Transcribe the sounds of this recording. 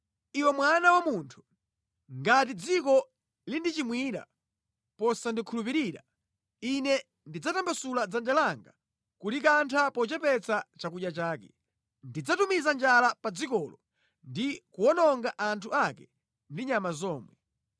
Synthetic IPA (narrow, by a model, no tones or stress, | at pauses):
iwɛmwanawamuntʰu̥ | ŋɡat̬id͡zikɔ | lindit͡ʃimwiːɗa̰ | pɔsandikʰulupiɾiːɗa̰ | inɛ | ndid͡zatambasulad͡zand͡ʒɛlaŋɡa | kulik̬antʰapɔt͡ʃɛpɛt͡sat͡ʃakuɗjat͡ʃaːkɛ | ndid͡zatumizand͡ʒalapad͡zikɔlɔ | ndikuɔnɔŋɡaʔantʰuakɛ | ndiɲamazɔːmwɛ̰